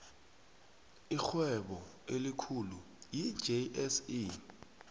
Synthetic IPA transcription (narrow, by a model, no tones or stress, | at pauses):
ixwɛɓɔ | elikʰulu | jid͡ʒeɛsi